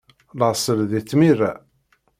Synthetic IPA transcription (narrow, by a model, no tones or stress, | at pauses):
ləʁsˤəlðit͡sːmira